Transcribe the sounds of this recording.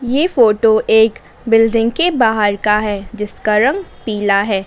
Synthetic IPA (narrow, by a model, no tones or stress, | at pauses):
jeːfoːʈoʔeːk | bɪlɖɪ̃ŋɡkebaːɦəɾkaɦɛːd͡ʒɪskaɾɐ̃ŋɡpiːlaɦɛː